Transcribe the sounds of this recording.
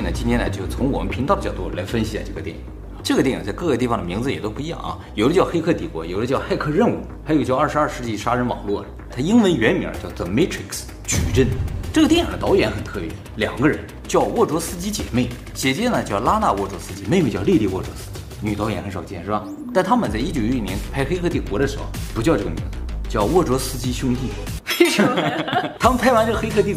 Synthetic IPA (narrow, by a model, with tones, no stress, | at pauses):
nə˩t͡ɕi˥nt̪ʰɛ˥nla˧˥t͡ɕjo˥˩ʊ˩t͡sʰʊ˧˥ŋwɔ̰˨˩mə̰˦npʰi˧˥ŋt̪ɑ˥˧˩t͡ɕɑ˥˩ʊu˥˩˥lʔa˧˥ɪfə˥nɕi˧˥ta˥˧˩ʈ͡ʂɤ˥˩ɡə˩t̪jɛ˥˩nḭ˨˩˧ʈ͡ʂɤ˥˩ɡə˩jɛ˥˩jḭ˨˩t͡sa˥˧ɪkɤ˥˧ɡə˧t̪i˥˩fɑ˨ŋd̪mi˧˥ŋd͡zɹ̩˧˨jɛ˨˩o˥ʊpu˥˧i˧˥jɑ̰˥˩ŋʔɐ̰˧jo˨˩ʊd̪ə˦t͡ɕjɑ˥˩ʊxe˥ɪkʰɤ˥˩t̪i˨˩kwɔ̰˧˥jo˨˩ʊd̪ə˦t͡ɕjɑ˥˧ʊxa˥˧ɪkʰɤ˥˧ɻə˥˧nu˥˩xjo˨˩ʊt͡ɕjɑ˥˧ʊɐ˞˥˩ʂɻ̩˧˥ɐ˞˥˧ʂɻ̩˥˧t͡ɕi˥˩ʂa˥ɻə˧˥nwɑ̰˨˩ŋlwɔ˥˩ | t̪ʰa˥i˥nwə˧˥nɥɛ˧˥nmḭ˧˥˧t͡ɕjɑ˥˧ʊt͡sɔ˥˩me˥ɪʈ͡ʂʰɹi˧˥˩ks | t͡ɕy̰˨˩ʈ͡ʂə˥˩nʈ͡ʂɤ˥˩ɡə˩t̪jɛ˥˩nji˨˩də˦t̪ɑ˧˥ʊɥɛ˧˥nxə˨˩nt̪ʰɤ˥˩pjɛ̰˥˩ | ljɑ̰˨˩ŋɡə˦ɻə˧˥n | t͡ɕjɑ˥˧ʊwɔ˥˩ʈ͡ʂwɔ˥sɹ̩˥t͡ɕi˥t͡ɕjɛ̰˨˩me˥˩ɪ | ɕjɛ˧˩t͡ɕjɛ˥˩nə˩t͡ɕjɑ˥˩ʊla˥na˥˧wɔ˥˩ʈ͡ʂwɔ˧˥sɹ̩˥t͡ɕi˧˥me˥˧ɪm˥˧ɪt͡ɕjɑ˥˧li˥˧li˥˧wɔ˥˩ʈ͡ʂwɔ̰˧˥sɹ̩̥˥t͡ɕi˥ny˨˩t̪ɑ˧˥ʊjɛ˧˥nxə˧˥nʂɑ˨˩ʊt͡ɕjɛ˥˩nʂɻ̩˥bɐ˧˩ | t̪a˥˧nt̪ʰa˥mə˨nt͡sa˥˩ɪi˥˩t͡ɕjo˨˩ʊ˥i˥˩njɛ˧˥npʰa˥˩ɪxe˥ɪkʰɤ˥˧i˥˩kwɔ˧˥ɾə˧ʂɻ̩˧˥xo̰˧˩ʊpu˧˥t͡ɕjɑ˥˧ʈ͡ʂɤ˥˩ə˩mḭ˧˥ŋd͡z̩˧˥˧t͡ɕjɑ˥˧ʊwɔ˥˩ʈ͡ʂwɔ˧˥sɹ̩˥t͡ɕi˥ɕjʊ˥ŋt̪i˥˩˥ | t̪ʰa˥mə˨npʰa˥ɪwa˧˥nʈ͡ʂɤ˥˩ə˧xɪkʰɤ˥˧t̪i˥˩